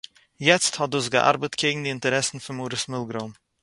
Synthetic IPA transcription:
jɛt͡sthɔt̚dusɡəʔa̰ɾbətkʰeɪɡŋ̩dɪɪntəɾɛsn̩fɪnmuːɾəsmɪlˠɡɾoːn

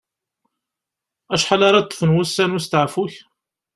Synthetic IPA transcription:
æʃħalɑɾˤɑt̪ˤːə̥fənwusːænwust̪əʕfuç

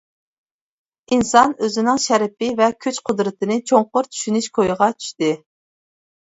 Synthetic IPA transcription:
insɑnøzɪnɪŋʃæɾɪpɪvɛkʲʰyt͡ʃqʰʊd̪ɾɨt̪ʰɨnɪt͡ʃʰoɴqʊɾt̪ʰy̥ʃynyʃkʰojɨʁɑt͡ʃʰy̥ʃt̪ɪ

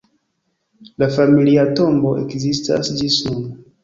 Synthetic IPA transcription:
lafamiliato̞mbo̞ʔḛkzista̰sd͡ʒisuno

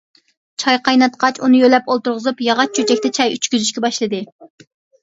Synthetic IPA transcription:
t͡ʃʰɑjqʰɑjnɑt̪qʰɑt͡ʃunɨjølɛpolˠt̪uɾʁəzupjɑʁɑt͡ʃ̚t͡ʃʰyt͡ʃɛkʲt̪ɛt͡ʃʰɑjyt͡ʃkʲyzyʃkʲɛbɑʃlˠɨd̪ɨ

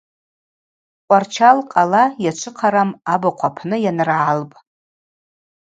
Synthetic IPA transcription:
qʷʼart͡ʃʰalqʼalajat͡ʃʷʰɨqʰaɾamabaqʷʰapʰnɨjanrʕalpʼ

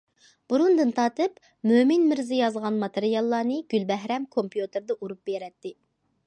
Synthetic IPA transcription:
b̥uɾund̪ɨnt̪ʰɑːt̪ɨp | mømɪnmɪɾzɪjɑzʁɑnmɑt̪ʰeɾijɑlˠːɑːnɨɡ̥ʲylbɛɦɾɛmkʰompjut̪ɨɾd̪ɛʔuɾup̚beɾɛt̪ːɪ

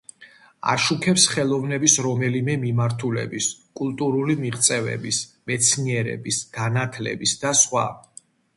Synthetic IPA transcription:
a̰ʃukʰɛpsχɛlˠɔvnɛbisɾɔmɛlimɛmimaɾt̪ʰulɛ̰biskʼulˠt̪ʼuɾulimiʁt̪sʼɛvɛ̰bismɛt̪sʰniɛɾɛ̰bisɡ̥anat̪ʰlɛ̰bisd̪asχwa̰

